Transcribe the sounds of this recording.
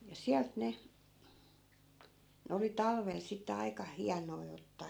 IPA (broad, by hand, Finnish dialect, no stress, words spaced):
jɑ siælt ne ne oli tɑlʋel sitːe ɑi̯kɑ hiɑnoi otːɑː